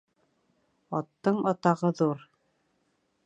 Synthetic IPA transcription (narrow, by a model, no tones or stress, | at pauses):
ɑt̪ːɤɴɑt̪ɑʁɤðuɾ